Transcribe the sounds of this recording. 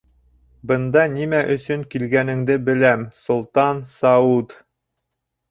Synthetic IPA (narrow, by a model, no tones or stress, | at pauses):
bɤ̆nd̪ɑnimæʔɵ̆sɵŋkilɡænɘ̆ŋd̪ɘbɘ̆læmsŏlˠt̪ɑnsɑud̪